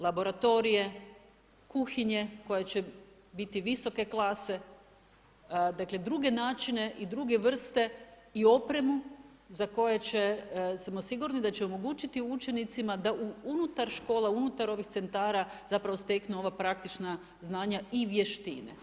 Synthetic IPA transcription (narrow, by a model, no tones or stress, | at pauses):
lˠabo̞ɾat̪o̞ɾije̞ | kuxiɲe̞ko̞jet͡ɕe̞ | bit̪iʋiso̞ke̞klˠase̞ | d̪akled̪ɾuɡe̞naːt͡ʃine̞ʔid̪ɾuɡe̞ʋr̩st̪e̞ | io̞pɾe̞mu | zako̞jet͡ɕe̞smosiɡuɾnid̪at͡ɕeomo̞ɡuːt͡ʃit̪iut͡ʃe̞nit̪simad̪aʔuunut̪aɾʃko̞ːlˠaunut̪aɾo̞ʋixtse̞nt̪aːɾazapɾaʋo̞st̪e̞knuo̞ʋapɾak̚t̪it͡ʃna | znaːɲaiʋje̞ʃt̪inḛ